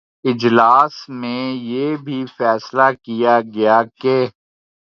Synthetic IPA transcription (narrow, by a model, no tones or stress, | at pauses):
ɪd͡ʒlaːsmẽjeːbʱifɛːslakijaɡɐjakeː